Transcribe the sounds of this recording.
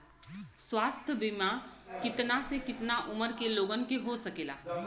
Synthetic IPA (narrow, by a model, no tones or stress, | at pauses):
swaːst̪ʰəbimãkɪt̪nasekɪt̪naʔʊməɾkeloːɡənkeɦosɐkeːla̰ː